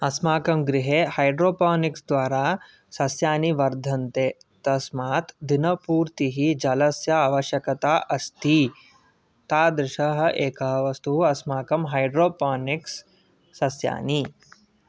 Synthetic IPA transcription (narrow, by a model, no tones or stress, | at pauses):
ɐsmaːkɐmɡɾiɦeːhɐjɖɾoːpaːniksd̪ʋaːɾaː | sɐsjaːniʋɐɾd̪ʱɐnt̪eː | t̪ɐsmaːt̪d̪inɐpuːɾt̪iɦid͡ʒɐlɐsjɐaːʋɐʃjɐkɐt̪aːʔɐst̪i | t̪aːd̪ɾɪʃɐɦɐ̆ʔeːkɐɦɐʋɐst̪uɦuɐsmaːkɐmɦɐjɖɾoːpaːniksː | ɐsja̰ːni